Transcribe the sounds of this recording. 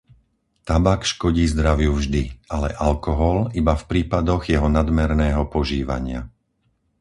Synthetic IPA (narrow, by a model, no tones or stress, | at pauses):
t̪abakʃkɔɟiːzd̪ɾaʋɪjuvʒd̪ialɛʔalkɔɦɔlibafpɾiːpad̪ɔɣjɛɦɔnad̪mɛɾnɛːɦɔpɔʒiːʋa̰ɲɪa̰